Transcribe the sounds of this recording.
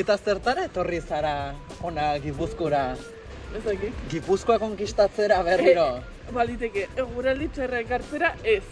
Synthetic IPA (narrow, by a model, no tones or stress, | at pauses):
et̪ase̞ɾt̪aɾaet̪o̞risaɾao̞naɣipuskoɾa | est̪akit̪ɡipuskoako̞ŋkist̪at͡seɾaβe̞riɾo̞ | bald̪it̪ekeeɣuɾald̪it͡ʃerekaɾt͡seɾaes